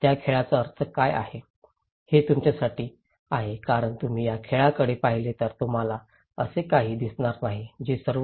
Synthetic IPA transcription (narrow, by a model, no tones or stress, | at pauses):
t̪jakʰeɭat͡səəɾt͡sʰəkaja̰he | het̪umt͡ɕjasaʈiː | aɦekaɾəɳt̪um̤iːjakʰeɭakəɽepaɦilet̪əɾt̪um̤ala | əsekaɦiːd̪isɳaɾnaɦid͡ʑesəɾ